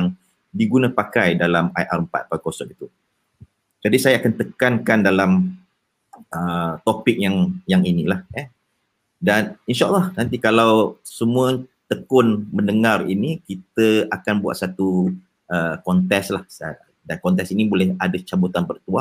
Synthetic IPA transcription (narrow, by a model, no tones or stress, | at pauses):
aŋ | diɡunãpakajdalamajʔarəmpa̰t̪̚pakosɔkit̪u | d͡ʒadisajaakant̪əkankandalam | ət̪opɪk̚jaŋjaŋinilahə | daninʃaʔəlːɑhnãnt̪ikalawsəmũət̪əkʊnmə̃ndəŋarḭnikit̪əakanbua̰ʔ̪̚sat̪u | ʔəkɔnt̪ɛslahs | dankɔnt̪̬ɛksinibolɛhadat͡ʃabut̪anbərt̪uaʔ